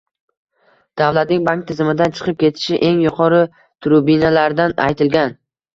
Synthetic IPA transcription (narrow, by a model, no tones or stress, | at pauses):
d̪̥awlat̪̚nɪŋbaŋk̚t̪ʰɪzɪmɪd̪ant͡ʃʰɨ̥qʰɨp̚kʲʰe̞t̪ʰɪ̥ʃɪʔe̞ŋjʊqʰɒɾɪ | t̪ʰʊɾʊbinalaɾd̪ana̰jt̪ʰɪlɡʲan